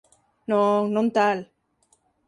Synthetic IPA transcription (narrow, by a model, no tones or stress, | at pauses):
noŋnõnt̪al